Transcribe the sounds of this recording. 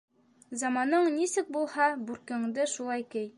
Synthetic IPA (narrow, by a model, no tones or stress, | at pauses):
zɑmɑnɤɴnisɘk̚bulˠhɑbʉɾkɘ̆ŋd̪ɘʃulˠɑjkɘj